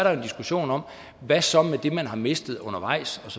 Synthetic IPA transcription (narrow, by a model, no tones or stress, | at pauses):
ɐɾ̥ɑoe̝nd̥isɡ̥uɕo̝̰ːnɒ̽m̰ | ʋæsɒ̽med̥e̝mænɦɑ̈me̝sd̥ð̞̩ˠɔ̽nɐʋɑ̈ɪ̰sɒ̽sɒ